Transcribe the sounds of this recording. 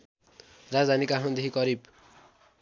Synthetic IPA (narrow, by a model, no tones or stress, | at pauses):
rad͡zd̪ʱanikaɦʌ̃nd̪eɦikʌɾib